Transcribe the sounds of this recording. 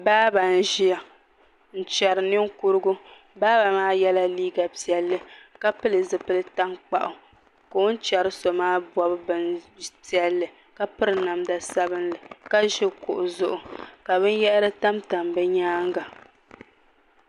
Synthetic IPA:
baː˦ba˨n̩˦ʒi˦ja˨ | n̩˨t͡ʃɛ˨ɾɨ˨nɨ˦ŋ˦ku˦ɾɨ˦ɡʊ˦ | baː˦ba˨maː˦jɛ˦la˦liː˦ɡa˨pi˨ɛ˨lːɨ˦ka˦pɨ˦lɨ˨zɨ˨pɨ˦lɨ˦ta˦ŋk͡pa˦˨ʔʊ˨ | ka˨o˦n̩˦t͡ʃɛ˨ɾɨ˦sɔ˨maː˦ba˦bɨ˦bɨ˨pi˦ɛ˨lːɨ˨ | ka˦pɨ˦ɾɨ˨na˨mda˨sa˦bɨ˦nlɨ˨ka˦ʒɛ˦kʊ̰˨ʔʊ˨zʊ˦ʔʊ˨ka˨βɨ˦n˦jɛ˦ʔɾɨ˦ta˦mta˨mbɛ˦ɲaː˦ŋɡa˨

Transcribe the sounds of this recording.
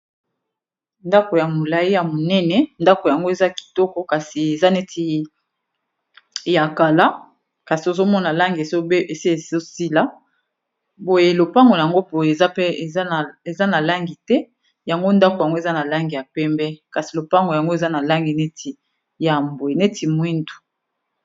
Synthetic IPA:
nda˦ko˨ja˨mo˨la˨ji˦ja˨mo˨nɛ˦nɛ˨nda˦ko˨ja˨ŋɡo˦e˨za˦ki̥˨tɔ˦kɔ˦ka˨si˨e˨za˦ne˦tʰi˦ | ja˨ka˨la˦ | ka˨si˨o˨zo˦mɔ˦na˨la˦ŋɡi˨e˨so˦be˨si˦e˨o˦si˦la˦ | bo˨je˨lo˨pa˦ŋɡo˨a˨ŋɡo˦bo˨je˨za˦ɛ˦e˨˦˨e˨za˦na˨la˦ŋɡi˨tɛ˦ | ja˨ŋɡo˦nda˦ko˨ja˨ŋɡo˦e˨za˦na˨la˦ŋɡi˨ja˨pɛ˦mbɛ˦ka˨si˨lo˨pa˦ŋɡo˨ja˨ŋɡo˦e˨za˦na˨la˦ŋɡi˨ne˦tʰi˨ | ja˨mbo˨e˨ne˦ti˨mwi˦ndu̥˨

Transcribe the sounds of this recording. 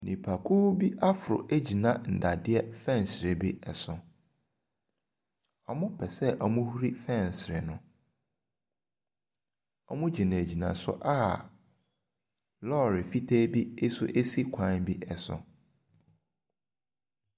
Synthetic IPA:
nĩ˨pʰa˨kʰu˦bi˦ʔa˦fʊ˨ɾʊ̰˨ʔe˦d͡ʑi˨nã˨n̩˨da˨dɪ˦ɛ˦fɛ̃˦˨n˨sɾɪ˨bi˦ɛ˨sʊ̃˨ | ɔ˨mʊ̃˦pʰɛ˨sɛ˦ʔɔ˨mũ˦hu˦ɾi˦fɛ̃˦˨n˨sɾɪ˨nʊ̃˨ | ɔ˦mʊ̃˦d͡ʑi˨nã˨e˨d͡ʑi˨nã̰˨sʊ̰˦ʔa˦ | lɔː˦ɾɪ˨fi˦tʰeː˦bi˦e˦sʊ˦ʔe˦si˦kʷʰã˦nbi˦ʔɛ˨sʊ̰̃˨

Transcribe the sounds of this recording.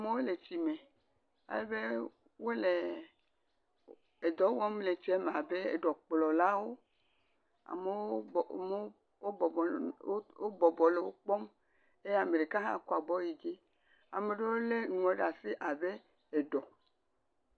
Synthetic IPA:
a˨me˨wo˦le˨ti˨me˨ | a̰˦le˦be˦ | wo˦le˨ | e˨d̪ɔ˨˦wɔ˦m˦le˨t͡ʃi˦e˦me˨a˨be˦ḛ˨ɖɔ˨k͡plɔ˨la˦wo˦ | a̰˨me˨w | wo˦bɔ˨˦wo˦bɔ˨bɔ˨le˨wo˦k͡pɔ˦m | e˦ja˨me˨ɖe˨ka˦ɦã̰˦ku˦a˨bɔ˦ji˨d͡ʒi˦ | a˨me˨ɖe˦wo˦le˦nũ˨e˦ɖa˨si˦ʔa˨be˦ | e˨ɖɔ˨

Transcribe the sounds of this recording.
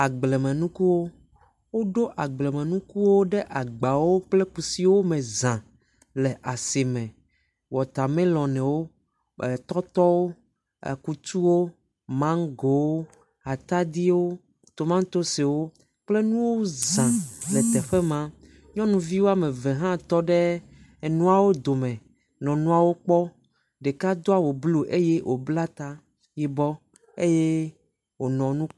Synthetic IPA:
a˨ɡ͡blɛ˨mɛ̃˨nũ˦ku˦wo˦ | wo˦ɖo˦ʔa˨ɡ͡blɛ˨mɛ̃˨nũ˦ku˦wo˦ɖɛ˦ʔa˨ɡ͡ba˨wo˦k͡plɛ˦ku˨si˦wo˦mɛ̃˨zã˨ | lɛ˨ʔa˨se˨mɛ̃˨ | wɔ˨t̪a˨mɛ̃˦lɔ̃˨nɛ̃˨wo˦ | ɛ˨t̪ɔ˦t̪ɔ˦wo̰˦˨ | ku˦t̪u˦wo˦ | mã˦ŋɡo˨wo˦ | a˨t̪a˦d̪i˦wo˦ | t̪o˨mã˦ŋ˦t̪o˦se˨wo˦ | k͡ple˦nũ˦wo˦zã˨lɛ˨t̪ɛ˨ɸɛ˦mã˦ | ɲɔ̃˦nũ˨vi˦wo˦a˦mẽ˨ve˨ɦã˦t̪ɔ˦ɖe˦˨ | nũ˦a˨wo˦d̪o˨mɛ̃˨ | nɔ̃˨nũ˦a˨wo˦k͡pɔ˦ | ɖe˨ka˦d̪o˦a˨wo˨blo˦ʔe˦je˦wʔo˨bla˦t̪a˦ | jɛ˦bɔ˦ | e˦je˦ | wo˨nɔ̃˨nũ˦

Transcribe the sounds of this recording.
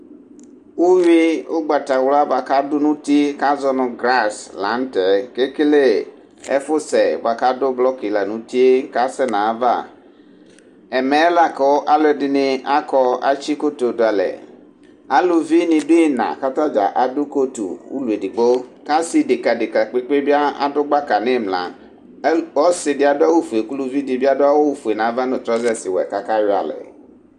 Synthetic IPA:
wu˦wi˦o˦ɡ͡ba˨ta˨wla˦ba˨ka˦dʊ˦nũ˦ti˦ka˦zɔ˦nʊ̃˨ɡɾa˦˨sla̰˨˦n˦tɛ˨ke˦ke˦le˦ | ɛ̰˦fʊ˦sɛ˨ba˨ka˦dʊ˦blɔ˦ki˨la˨nũ˨˦ti˦e˦ka˦sɛ˦nã˨˦va̰˦˨ | ɛ˨mɛ˨˦la˦kɔ˨wʔa˦lʊ˦ɛ˨dɪ˨nɪ̃˨a˦kɔ˦a̰˦t͡ʃi˦ko˦to˨dʊ˨a˨lɛ̰˨ | a˦lo˨vi˦nĩ˨do˦e˦nã̰˨ka˦t̪ã˦d͡ʒa̰˨ʔa˨dʊ˦ko˦t̪ṵ˨wṵ˦lu˨e˨di˨ɡ͡bo˦ka˦si˨dɪ˨ka˨dɪ˨ka˨k͡pe˦k͡pe˦bi˦a˦a̰˦dʊ˦ɡ͡ba˦ka˨nẽ˦˨mlã̰˨˦ | wɔ˦sɪ˨dɪ˦a˨dʊ˦a˦wu˦fu˨e˨ku˦lu˦vi˦di˨bi˦a˦do˦a˦wo˦wo˦fu˨e˨nã˨˦va˦nʊ̃˨t̪ɾɔ˦zɛ˦si˨wɔ˨ɛ̰˨ka˦ka˦jo˦a̰˨lɛ̰˨

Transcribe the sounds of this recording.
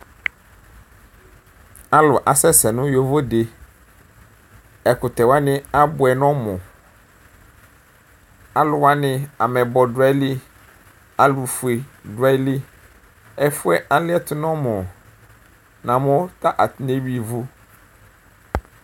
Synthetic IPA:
a˦lʊ˨ʔa˨sɛ˦sɛ˨nʊ̃˦jo˦vo˦de˨ | ɛ˨kʊ˨t̪ɛ˨wa˦nɪ̃˦a˦bʊ˨ɛ˨nɔ̃˦mɔ̃˨ | a˦lʊ˨wa˦nɪ̃˦a˨mɛ˨bɔ˨dʊ˨˦a˦lɪ˦ | a˨lu˨fu˨e˨dʊ˨a˦lɪ˦ | ɛ˦fʊ˦ɛ˦ʔa˦lɪ˦ɛ˦t̪ʰʊ˦nɔ̃˦mɔ̃˨ | nã˨mʊ̃˦t̪a˦ʔa˨t̪ne˦bi˦vu˦

